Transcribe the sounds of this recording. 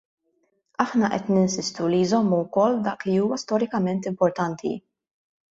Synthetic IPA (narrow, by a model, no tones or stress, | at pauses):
ɐħnɐʔɛt̪nɪnsɪst̪ulijzɔmːuwkɔlːd̪ɐːkliuːwɐst̪ɔɾɪkɐmɛnt̪ɪmpɔɾt̪ɐnt̪ʰḭ